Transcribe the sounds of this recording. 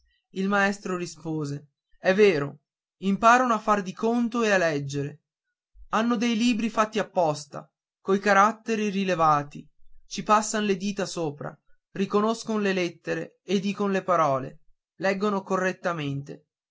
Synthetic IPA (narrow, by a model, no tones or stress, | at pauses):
ilmaɛst̪ɾorispoːze | ɛvːeːɾo | impaːɾonoafːard̪ikont̪oealːɛd͡ʒːeɾe | anːod̪ejliːbɾifat̪ːiapːɔst̪a̰ | kojkaɾat̪ːeɾirilevaːt̪it͡ʃipasːanoled̪iːt̪asoːpɾa̰ | rikonoskonolelɛt̪ːeɾeː | d̪iːkonolepaɾɔːlḛ | lɛɡːonokorːet̪ːament̪ḛ